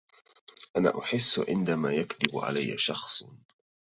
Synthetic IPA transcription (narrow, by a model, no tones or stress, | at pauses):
ʔana̰ːʔʊħɪsːʕɪ̰nd̪amaːjakd̪ɪb̰ʕa̰lajːa̰ʃɑxsˤ